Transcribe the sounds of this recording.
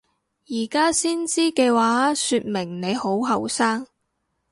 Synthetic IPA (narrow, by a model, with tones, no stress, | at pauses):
jiː˨˩kaː˥siː˥nt͡siː˥kɛː˧waː˨˥syː˧t̚mɪ˨˩ŋne˨˧jho˨˥wɦɐ˨wsaː˥ŋ